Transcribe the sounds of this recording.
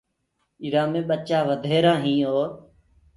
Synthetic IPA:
iːɾaːmẽːɓət͡ʃaːʋəd̪ʱeːɾãːɦĩːoːɾ

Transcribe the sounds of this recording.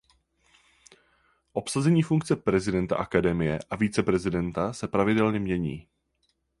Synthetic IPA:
ʔo̞psazɛɲiːfuŋk̚t͡sɛpɾɛzɪdɛnt̪a̰ʔakadɛmɪjɛʔaviːt͡sɛpɾɛzɪdɛnt̪asɛpɾavɪdɛlɲɛmɲɛɲḭː

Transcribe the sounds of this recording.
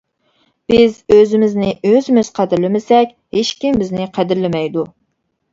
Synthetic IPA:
b̥ɪzøzɪmɪznɪʔøzɪmɪz̥qʰæd̪ɪɾlɪmɪsɛkʲheʃkʲimbɪznɪqʰæd̪ɪɾlɪmɛjd̪u

